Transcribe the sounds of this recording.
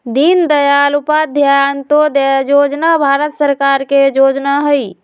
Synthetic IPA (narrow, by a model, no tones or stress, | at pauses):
d̪ind̪əjalupad̪ʱjant̪od̪jod͡ʒnabʱaɾət̪səɾkaɾked͡ʒod͡ʒnaɦəj